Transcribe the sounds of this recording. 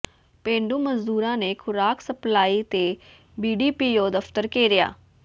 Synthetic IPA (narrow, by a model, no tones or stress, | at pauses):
pẽːɳɖuːməzd̪uːɾãːneːkʰʊɾaːksəplaːiːt̪eː | biːɖiːpiːjoːd̪əfʰt̪əɾkeːɾɪja̰ː